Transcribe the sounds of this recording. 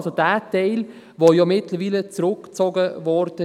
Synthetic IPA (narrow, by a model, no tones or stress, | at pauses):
sod̥æːtɛɪl | vojɔmɪtləɾviːlət͡sɾʊkt͡sɔɡəvɔɾd̥ə